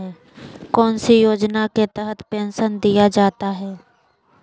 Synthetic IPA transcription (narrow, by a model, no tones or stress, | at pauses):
ɦɛː | kɔːnsijoːd͡ʒnaket̪ɛɦət̪pɛ̃ːnʃənd̪ijad͡ʒaːt̪aɦɛː